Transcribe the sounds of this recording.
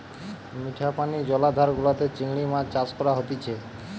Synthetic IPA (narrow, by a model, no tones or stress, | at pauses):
miʈʰapanid͡ʑɔlad̪ʱaɾɡulat̪et͡ɕiŋɽ̃imad͡ʑt͡ɕaskɔɾaɦot̪it͡ɕʰe